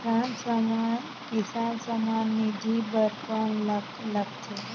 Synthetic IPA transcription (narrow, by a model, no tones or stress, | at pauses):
sansəman | kisansəmanmid͡ʒʱibəɾpənl | ləkt͡ʃʰe